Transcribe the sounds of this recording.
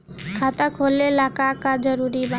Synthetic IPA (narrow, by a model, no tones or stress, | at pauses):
kʰat̪akʰolelakakad͡ʒɔɾuɾiba